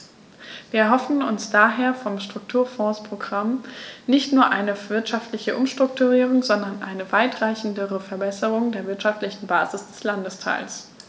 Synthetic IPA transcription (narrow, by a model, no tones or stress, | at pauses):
viːɐɛɐɦɔfn̩ʊ̰nsd̥aːɦeːɐfɔmʃtʁ̥ʊk̚tʰuːɐfɔ̃ːspʁ̥oɡʁamnɪçtnuːɐʔaɪnəv̥ɪɐtʃaftlɪçəʔʊmʃtʁ̥ʊktuʁiːʁ̞ʊŋzɔndɐnʔa̰ɪnəvaɪtʁ̥aɪçn̩dəʁəfɛɐbɛsəʁʊŋdeːɐvɪɐtʃaftlɪçn̩baːzɪsd̥ɛslandəstʰa̰ɪls